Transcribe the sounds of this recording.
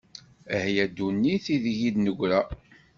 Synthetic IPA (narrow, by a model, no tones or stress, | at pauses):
əhjæd̪unːiθiðʝid̪nəʝʷɾæ